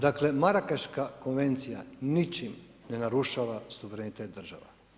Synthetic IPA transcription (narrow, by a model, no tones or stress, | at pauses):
d̪akle̞maɾakaʃkako̞nʋe̞nt̪sija̰nit͡ʃim | nenaɾuʃaːʋasuʋeɾenit̪eːt̪̚d̪r̩ʒa̰ʋa̰